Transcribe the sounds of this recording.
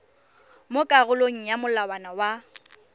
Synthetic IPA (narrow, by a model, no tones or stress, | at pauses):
mʊkʼaɣʊloŋ̩jamʊlawanawa